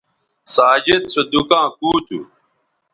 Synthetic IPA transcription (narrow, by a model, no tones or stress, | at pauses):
saːd͡ʑed̪̚sod̪ukãːkuːt͡ɕ̪ṵ